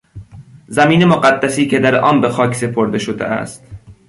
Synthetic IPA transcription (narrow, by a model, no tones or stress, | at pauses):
zæmiːnemoɢæd̪ːæsiːcʰe̞d̪æɾʔɒːmbexɒːcʰse̞pʰoɾd̪e̞ʃod̪ḛʔæ̰st̪